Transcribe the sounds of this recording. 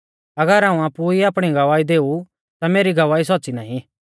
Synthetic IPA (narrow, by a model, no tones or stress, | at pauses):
ɐɡəɾaːũaːpuiaːpɽ̃iɡɐʋaːid̪eːu | t̪ameːɾiɡɐʋaːisɔtːsinaːɦĩ